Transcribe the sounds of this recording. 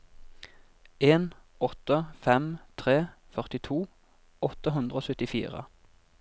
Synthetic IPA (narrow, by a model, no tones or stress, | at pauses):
eːn | ɔt̪əfɛmt̪ʰʁeːfœʁt̪ɪt̪ʰuː | ɔt̪əɦʉnd̪ʁəoːsʉt̪ɪfḭːʁə̰